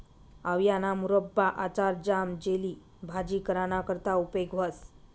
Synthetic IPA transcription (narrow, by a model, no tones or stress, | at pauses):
aʋjanamuɾəbːaʔat͡ɕaɾd͡ʑamd͡ʑeliː | bʱad͡ʑiːkəɾanakəɾt̪aupeɡʋəs